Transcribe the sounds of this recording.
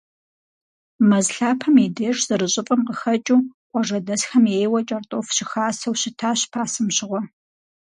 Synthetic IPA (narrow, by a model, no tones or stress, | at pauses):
mɐzɬaːpʰɐmideːʂz̥ɨɾɨɕʼɪpʼɐmqəxɐt͡ʃʼuːqʷʼɔʐɐdɐsxɐmjeːjwɐt͡ʃʼɐrtʼoːfɕɪxaːsɐwɕɪtʰaːɕpʰaːsɨmɕɪʁʷɔ